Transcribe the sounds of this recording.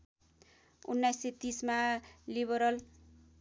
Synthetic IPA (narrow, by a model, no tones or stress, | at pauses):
unːajsːet̪ismaliβʌɾʌl